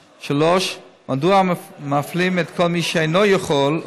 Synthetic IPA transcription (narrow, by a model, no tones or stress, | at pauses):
ʃaloʃmʔaduamaflimɛt̪kʰolmiʃɛejnojaχol